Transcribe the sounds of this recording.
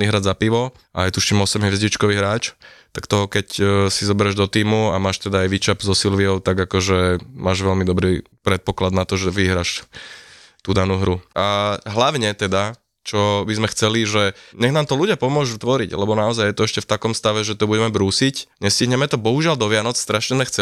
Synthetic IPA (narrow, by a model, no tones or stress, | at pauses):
niɦɾazapiʋɔ | ʔa̰ajt̪uʃt͡ʃimɔsɛmɦʋzɟit͡ʃkɔʋiːɦɾaːt͡ʃt̪akt̪ɔɦɔkɛcsizɔbɛɾɛʒd̪ɔt̪iːmuamaːʃt̪ɛd̪aːjʋit͡ʃabzɔsilʋiɔʊt̪aɡakɔʒɛmaːʒʋɛlmid̪ɔbɾi | pɾɛt̪̚pɔklad̪nat̪ɔʒɛʋiɦɾaːʃ | t̪ud̪anuːɦɾuʔaɦlaʊɲɛt̪ɛd̪a | t͡ʃɔbizmɛxt͡sɛliʒɛɲɛɣnaːmt̪ɔluɟɪapɔmʊɔʒut̪ʋɔɾiɟlɛbɔnaɔzajjɛt̪ɔɛʃcɛft̪akɔmst̪aʋɛʒɛt̪ɔbuɟɛmɛbɾuːsicɲɛsciɦɲɛmɛt̪ɔbɔɦuʒɪald̪ɔʋɪanɔt͡sst̪ɾaʃɲɛzmɛxt͡sɛ